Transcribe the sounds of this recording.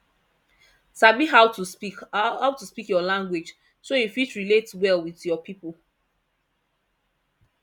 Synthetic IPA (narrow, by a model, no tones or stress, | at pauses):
samiɦawtu | awtuspikjɔlãŋɡwed͡ʒ | soifitɹiletwɛlwiðjɔpʰipolˠ